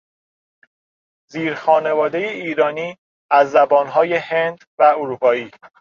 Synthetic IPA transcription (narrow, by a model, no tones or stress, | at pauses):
ziːɾxɒːne̞vɒːd̪e̞jeiːɾɒːniː | æzːæbɒːnɦɒːje̞he̞nd̪væoɾuːpʰɒːiː